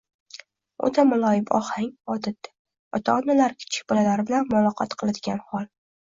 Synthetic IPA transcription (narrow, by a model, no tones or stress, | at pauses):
o̰t̪ʰamʊlˠɒjɪbɒ̰hhaŋɒd̪ɪt̪̚ːḁ | ɒt̪ʰɒɒnalaɾkʲʰɪ̥t͡ʃʰɪ̥kʲb̥ɒlalaɾɪbɪlanmʊlˠɒqʰɑt̪qʰɨlˠɪd̪ɪɡʲanhɒlˠ